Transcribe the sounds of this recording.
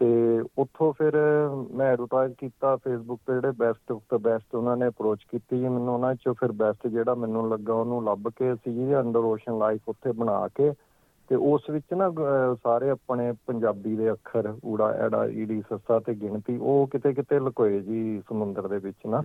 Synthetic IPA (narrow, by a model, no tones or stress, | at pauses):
t̪eːʊt̪ʰːõːpʰɪɾmɛ̃ːɾut̪aːd͡ʒkiːt̪aːpʰeːsbʊk̚t̪ːd͡ʒeːɽeːbɛːsʈkt̪ːbɛːsʈʊnãːneːəpɾoːt͡ʃkiːt̪iːd͡ʒiːmɛ̃ːnːũːnãːɪt͡ʃoːpʰɪɾbɛːsʈd͡ʒeːɽaːmɛ̃ːnːũːləɡːaːʊnũːləbkeəsĩːd͡ʒiəɳɖəɾoːʃənlaːipʰʊt̪ʰːeːbəɽ̃a̰ːkeː | t̪eːʔʊsʋɪt͡ʃnãːsaːɾeːəpɳ̃eːpəɲd͡ʒaːbiːd̪eːəkʰːəɾuːɽa̰ːʔɛ̰ːɽa̰ːʔḭːɽiːsəsaːt̪eːɡɪɳt̪iːʔoːkɪt̪eːk̬ɪt̪eːləkoːeːd͡ʒiːsəmʊ̃nd̪əɾd̪eːʋɪt͡ʃnãː